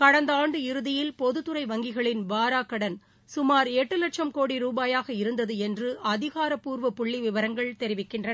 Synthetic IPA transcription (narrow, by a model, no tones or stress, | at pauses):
kɐɽɐnd̪aːɳɖɯɪɾɯðɪjɪlpɔðɯt̪ːɯɾɐɪʋɐŋɡɪɣɐɭɪnʋaːɾaːkːɐɽɐn | sʊmaːɾeːʈːɯlɐʈ̚ʂɐmkoːɽiɾuːbaːjaːɣɐɪɾɯnd̪ɐðɯɛndrɯʔɐðɪɣaːɾɐpuːɾʋɐpʊɭːiʋɪʋɐɾɐŋɡɐɭt̪ɛɾɪʋɪkːɪndrɐ